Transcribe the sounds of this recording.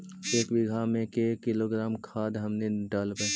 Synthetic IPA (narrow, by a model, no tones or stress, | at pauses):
eːkʋɪɡʱamẽkekɪloɡɾaːmkʰaːd̪ɦɐmneɖaːləpɛ